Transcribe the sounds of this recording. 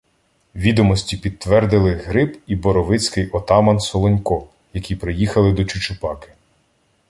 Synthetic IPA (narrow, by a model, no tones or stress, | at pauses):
ʋʲid̪ɔmɔsʲtʲipʲid̪̚ʋɛrd̪ɪlˠɪɦɾɪbibɔɾɔʋɪt͡sʲkɪjʔɔt̪ɑmɐnsɔlˠɔnʲkɔ | jɐkʲipɾɪjixɐlˠɪd̪ɔt͡ʃʊt͡ʃʊpɑkɪ̥